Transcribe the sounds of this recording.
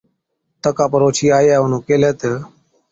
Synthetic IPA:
t̪əkaːpəɾoːt͡ʃʰiːaːjaːʊnõːkeːleːt̪əː

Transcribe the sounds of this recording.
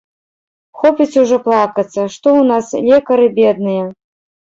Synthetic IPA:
xɔpʲit͡sʲuʐɔplˠakɐt̪sːɐʂt̪ɔwnaslʲɛkɐɾɨbʲɛd̪̚nɨjɐ

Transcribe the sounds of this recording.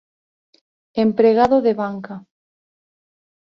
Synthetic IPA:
empɾeɣaðoðeβaŋka

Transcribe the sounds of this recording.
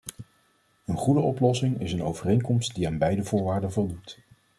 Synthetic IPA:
ənχudəɔplɔsɪŋɪsənowvərejŋkɔmst̚diaːnbɛjdəvʊːɹʋaːɹdənvɔlˠdut

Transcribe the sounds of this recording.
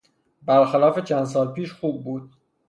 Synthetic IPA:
bæɾxælɒːfet͡ʃʰænd̪s̬ɒːlpiːʃxuːb̚ːuːd̪

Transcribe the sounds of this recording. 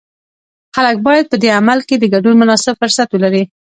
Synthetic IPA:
xalək̚bɑjad̪̚pəd̪eamalked̪əɡaɖunmʊnɑsɪbfʊɾsat̪wəlaɾi

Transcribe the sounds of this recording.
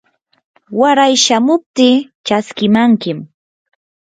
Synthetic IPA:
waɾajʃamʊp̚t̪ɪːt͡ʃaskɪmaŋkɪm

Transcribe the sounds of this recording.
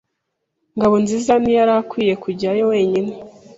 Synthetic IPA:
ŋɡaβo̞nziːzamijaɾakwiːje̞kuɟiɾajo̞we̞ːɲine

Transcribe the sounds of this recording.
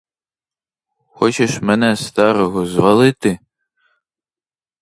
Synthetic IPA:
xɔt͡ʃeʃmenɛst̪ɑɾɔɦɔzʋɐlˠɪt̪ɪ

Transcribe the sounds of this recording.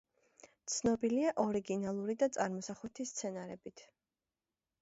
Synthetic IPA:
t̪sʰnɔbiliaʔɔɾiɡinalˠuɾid̪at̪sʼaɾmɔsaχut̪ʰist̪sʰɛnaɾɛbit̪ʰ

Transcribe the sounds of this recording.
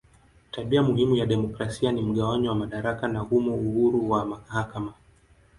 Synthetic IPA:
taɓiamuhimujaɗɛmɔkɾasianim̩ɠawaɲiwamaɗaɾakanahumɔuhuɾuwamahakama

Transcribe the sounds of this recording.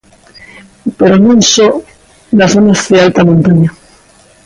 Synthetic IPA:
peɾonõnso | lasonazðealt̪amõnt̪aɲa

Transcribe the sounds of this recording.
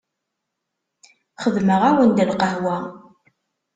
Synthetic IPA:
χəðməʁawənd̪əlqəɦwæ

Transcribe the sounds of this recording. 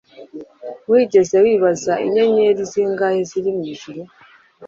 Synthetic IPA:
wiːɟezewiːβazaʔḭɲaɲeɾiziːŋɡaheziɾimiːʒiɾi

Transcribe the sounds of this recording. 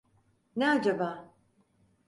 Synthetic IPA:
nɛad͡ʒabaː

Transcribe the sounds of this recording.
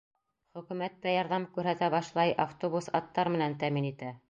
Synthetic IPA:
χɵ̆kʉ̆mæt̪ːæjɑɾðɑmkʉɾɦæt̪æbɑʃlˠɑjʔaft̪obusɑt̪ːɑɾmɘ̆nænt̪æminit̪æ

